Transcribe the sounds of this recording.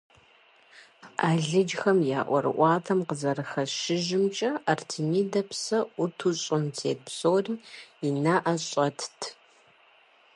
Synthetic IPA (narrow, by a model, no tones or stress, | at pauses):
aːɮɨd͡ʒxɐmja̰ːʔʷɔ̰ɾɨ̰ʔʷɑːtʰɐmqəzɐɾɨxɐʃɪʒɪmt͡ʃʼɐɐrtʰɨniːdɐpsɐʊtʰuɕʼɪmzʰeːt̚psoːriːinaːʔɐɕʼɐtʰtʰ